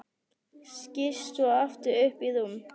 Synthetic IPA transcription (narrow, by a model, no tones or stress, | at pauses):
scɪst̪ɔɔft̪ʏʏhpiðum